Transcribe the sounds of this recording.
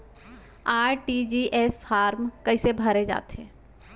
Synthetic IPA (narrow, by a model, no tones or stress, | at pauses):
aːɾʈid͡ʒiʔeːsfʰaːɾmkɐɪsebʱɐɾed͡ʒa̰ːt̪ɦɛ̰̃ː